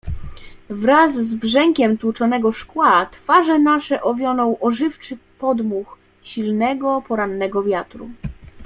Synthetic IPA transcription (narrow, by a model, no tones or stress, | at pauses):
vɾazːbʐɛŋkʲɛmt̪wut͡ʂɔnɛɡɔʂkwat̪faʐɛnaʂɛʔɔvʲjɔnɔ̃w̃ʔɔʐɘft͡ʂɘpɔd̪mux | ɕilnɛɡɔpɔɾanːɛɡɔvʲjat̪ɾṵ